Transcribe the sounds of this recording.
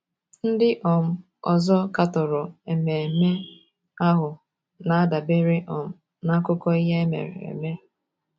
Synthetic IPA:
n̩˦dɪ˦ʔɔ˨m̩˦ | ɔ̰˨zɔ˦ka˨tɔ˨ɾʊ˨e˨me˨e˨me˦ | a˦ɦʊ˨ | na˨a˦da˨be˦ɾɪ˦ʔɔ˨m̩˦ | na˦a˦kʊ˦kɔ˦i˦ɦe˦e˦mḛ˨ɾḛ˨ḛ˨me˦

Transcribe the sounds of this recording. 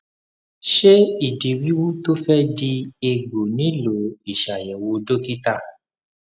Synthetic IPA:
ʃe˦i˦˨di˨wi˨˦wu˦to˦fɛ˦di˧e˧ɡo˨nĩ˨˦lo˨˦i˨ʃa˨jɛ̃˨wo˧do˦ki˦ta˦˨

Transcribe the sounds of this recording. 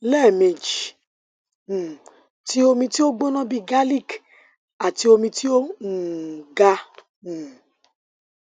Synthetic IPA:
lɛ˦˨mĩ˨d͡ʒ | ti˦o˧mĩ˧ti˦o˦ɡ͡bo˦nɔ̃˦bi˧ɡa˦li˦˨k | a˨ti˧o˧mĩ˧ti˦o˦ŋ̩˨ɡa˧ | u˨

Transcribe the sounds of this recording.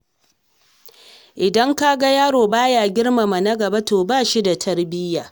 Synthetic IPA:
ʔɪ˨dɐ˦ŋka˦ɡa˦jaː˦ɽoː˨baː˦jaː˨ɡʲɪ˦rma˨ma˨nɐ˦ɡɐ˨ba˦toː˨baː˦˨ʃi˦da˨tʰɐ˦rbɪ˦jaː˨

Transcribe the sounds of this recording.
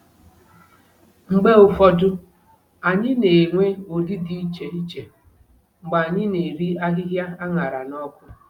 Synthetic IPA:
ŋ͡m̩˨ɡ͡be˦ʊ˨fɔ˦dʊ˦ | a˨ɲɪ˦ne˨ŋʷe˦o˨di˦di˦i˦t͡ʃe˨i˦t͡ʃe˨ | ŋ͡m̩˨ɡ͡ba˨ɲɪ˦ne˨ɾi˦a˦ɦɪ˦ɦja˦a˦ŋa˨ɾa˨nɔ˦kʷʊ˦

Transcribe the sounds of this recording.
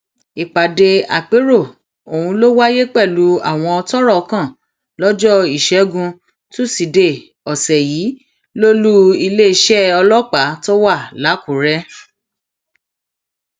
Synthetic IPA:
i˨k͡pa˨de˧a̰˨k͡pe˨˦ɾo˦˨ | o˨wũ˧lo˦wa˦je˦k͡pɛ˦˨lu˨˦a̰˦˨w̃ɔ̃˧ɔ˧tɔ˦ɾɔ˦˨˧kã˦˨ | lɔ˦d͡ʒɔ˦i˦˨ʃɛ˨˦ɡũ˧ | to˦si˨de˨ | ɔ˨sɛ˨jiː˨˦ | lo˦lu˦i˧le˦i˧˦ʃɛ˦ɔ˧lɔ˦k͡pa˨˦tɔ˦wa˦˨la˨˦ku˨ɾɛ˦

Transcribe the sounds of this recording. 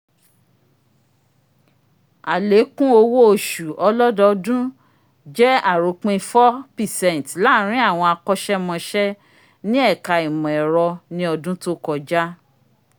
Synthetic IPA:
a˨le˨˦kũ˦o˧wo˦o˨ʃu˨ɔ˧lɔ˦dɔ˧dũ˦ | d͡ʒɛ˦a˦˨ɾu˨˦k͡pĩ˦˧fɔ˦pi˨sɛ̃˦˨n˨tla˦ɾ̃ĩ˦a˦˨w̃ɔ̃˧a˧kɔ˦ʃɛ˦mɔ̃˧ʃɛ˦ | nĩ˦ɛ˦˨ka˧i˨mɔ̃˨ɛ˨ɾɔ˧nĩ˧˦ɔ˧dũ˦to˦kɔ˧d͡ʒa˦

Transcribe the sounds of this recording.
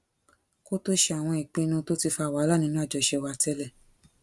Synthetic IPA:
ko˦to˦ʃɛ˧a˨w̃ɔ̃˧i˨k͡pĩ˧˦nũ˧˦to˦ti˧fa˧˦˨wa˨˦la˦nĩ˧˦nũ˦a˦˨d͡ʒɔ˨ʃɛ˧˨wa˧tɛ˦lɛ˦˨

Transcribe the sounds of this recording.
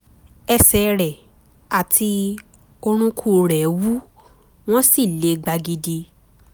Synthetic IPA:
ɛ˧sɛ˧˦ɾɛ˨ | a˨tʰi˧ | o˧ɾ̃ũ˧kʰu˦˨ɾɛ˨wu˦ | w̃ɔ̃˦si˦˨le˧˦ɡ͡ba˧ɡi˧di˧

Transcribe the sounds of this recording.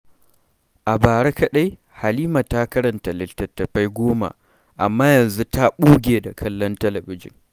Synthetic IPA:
ʔa˨baː˨ɽa˦kɐ˦ɗa˦j | ha˨liː˦ma˨ta˦kɐ˦ɾɐ˨nta˨lɪ˦˨ltɐ˨tːɐ˨ɸa˦jɡʷoː˦ma̰˨ | ʔa̰˨mːaː˦jɐ˨nzu˦ta˦ɓuː˦ɡʲeː˨da˨kʰɐ˦lːɔ˦ntɐ˦lɐ˨bɪ˦d͡ʒɪ̰˨n

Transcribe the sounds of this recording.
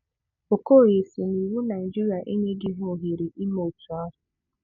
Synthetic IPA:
o˨ko˦˨je˨si˨n˨i˨wu˦na˨i˨d͡ʒi˦ɾi˨a˨ʔe˦ɲe˦ɡɪ˦ɦo˨ɦi˨ɾi˨ʔi˦mo˨tu˨a˦ɦʊ˨

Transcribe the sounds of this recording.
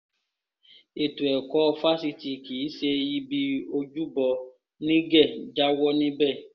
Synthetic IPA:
e˨tu˨ɛ˨kɔ˦˧fa˦si˧ti˨kiː˨˦ʃe˧ji˦bi˧o˧d͡ʒu˦bɔ˧ | nĩ˦ɡɛ˦˨d͡ʒa˦wɔ˦nĩ˦bɛ˦˨

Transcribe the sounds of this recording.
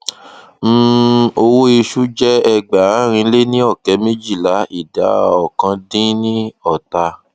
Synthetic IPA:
m̩˦o˧wo˦i˧ʃu˦d͡ʒɛ˦ɛ˧ɡ͡ba˨˦ɾ̃ĩ˧le˦nĩ˦ɔ˦˨kɛ˨˦mĩ˦d͡ʒi˦˨la˨˦i˦˨da̰˨˦ɔ˨kã˧˦dĩ˦nĩ˦ɔ˦˨ta˧

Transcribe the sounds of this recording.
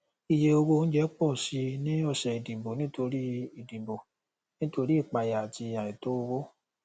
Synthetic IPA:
i˨je˧o˧ɡo˧n̩˦d͡ʒɛ˦k͡pɔ˦˨si˧nĩ˦ɔ˦˧˨ʃɛ˨i˨dĩ˨bo˨nĩ˦to˧ɾi˦i˨dĩ˨bo˨ | nĩ˦to˧ɾi˦i˦˨k͡pa˧ja˨a˨ti˧a˨i˨to˨˦o˧wo˦

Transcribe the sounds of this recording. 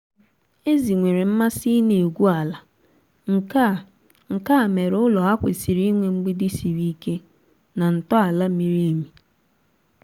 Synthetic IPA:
e˦zi˨ŋʷe˨ɾe˨m̩˦ma˦si˦ne˨e˨ɡʷu˦a˨la˦˨˦ | ŋ̩˨ka˦˨me˨ɾʊ˦lɔ˨a˦kʷɪ̰˨si˨ɾi˦ŋʷe˨ŋ͡m̩˦ɡ͡bi˦di˦si˨ɾi˦ke˦ | na˨n̩˨tɔ˦a˨la˦mi˦ɾi˦mi˨

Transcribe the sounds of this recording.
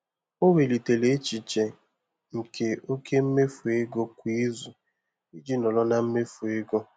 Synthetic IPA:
o˦we˨li˨te˨le˨˦t͡ʃi˨t͡ʃe˨ | ŋ̩˨kʰe˨o˦ke˦m̩˦me˦fu˨e˦ɡo˦kʷi˦zu˨ | i˦d͡ʒi˦nɔ˨lɔ˦na˦m̩˦me˦fu˨e˦ɡo˦

